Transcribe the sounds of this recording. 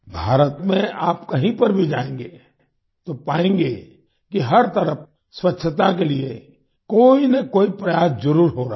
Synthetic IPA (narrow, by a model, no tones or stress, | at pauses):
bʱaːɾət̪mẽaːpkɐɦĩpɐɾbʱid͡ʒaːẽːŋɡeː | t̪opaːẽːŋɡeː | kiɦɐɾt̪ɐɾəf | swɐtːʃʰət̪akelie | koːinɐkoːipɾɐjaːsd͡ʒɐɾuːɾɦoɾa